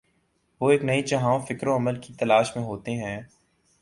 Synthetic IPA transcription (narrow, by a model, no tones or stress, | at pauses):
ʋoːeːknɐit͡ʃɐɦãːõfɪkɾõɐməlkit̪ɐlaːʃmẽɦoːt̪eɦɛ̃ː